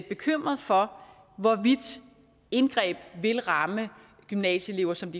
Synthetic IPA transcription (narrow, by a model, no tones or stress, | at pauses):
b̥e̝kʰøm̰ʁɐð̩ˠfɒ̽ | ʋɒʋid̥ | e̝nɡ̥ʁɛ̰ːb̥ʋe̝lʁɑ̈mə | ɡ̥ymnɛ̰ːɕəe̝le̝ʊɐsɒ̽md̥i